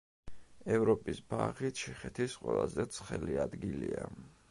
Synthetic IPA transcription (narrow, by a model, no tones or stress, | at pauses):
ɛvɾɔpʼisbaʁit͡ʃʰɛχɛt̪ʰisqʼwɛlˠazɛt̪sʰχɛliad̪ɡilia